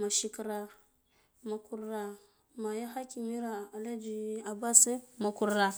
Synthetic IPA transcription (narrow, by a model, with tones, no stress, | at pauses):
ma˨ʃi˦kɾa˨ | ma˨ku˨ɾɾa˨ | ma˨ja˦xa˦ki˨mi˦ɾa˨a˨la˦d͡ʒi˨a˨ba˦se˦ma˨ku˨ɾɾa˨